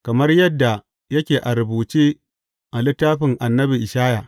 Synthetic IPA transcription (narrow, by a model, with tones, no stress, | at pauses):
kɐ˨mɐ˦rjɐ˦dːa˨ | jɐ˦kʲeː˨ʔa˨ɾʊ˨buː˨t͡ʃeː˦ | ʔa˨lɪ˦tːaː˦ɸɪ˨ŋʔa˨nːɐ˦bi˨ʔɪ˨ʃaː˦ja˨